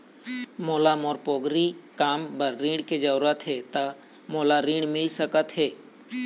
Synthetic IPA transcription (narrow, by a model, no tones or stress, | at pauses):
moːlamoːɾpoːɡɾikaːmbəɾːĩːɽked͡ʒəʋɾət̪ɦeːt̪ə | moːlaɾĩːɳmɪlsəkət̪ɦeː